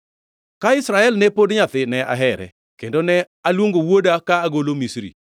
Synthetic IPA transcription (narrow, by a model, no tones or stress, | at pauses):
kaɪsɾaɛlnɛpodɲat̪ɪnɛa̰ɦɛɾɛ̰ | kendonɛ | alwoŋɡowodakaːɡolomisɾḭ